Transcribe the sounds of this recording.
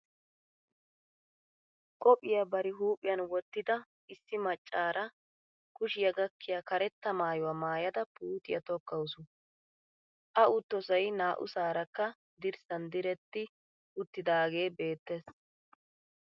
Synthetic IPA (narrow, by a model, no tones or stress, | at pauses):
kʼɔpʼːɪjɐbɐɾɪɦuːpʼːɪjɐnwɔt̪ːɪd̪ɐ | ɪsːɪmɐt͡ʃʼːaːɾɐ | kʊʃɪjɐɡɐkːɪjakɐɾɛt̪ːɐmaːjɔwamaːjɐd̪ɐpuːt̪ɪjɐt̪ɔkːɐʊsʊ | ʔɐʔʊt̪ːɔsɐjnaːʔʊ̰saːɾɐkːɐ | d̪ɪɾsɐnd̪ɪɾɛt̪ːɪ | ʔʊt̪ːɪd̪aːɡe̞ːbe̞ːt̪ːe̞ːs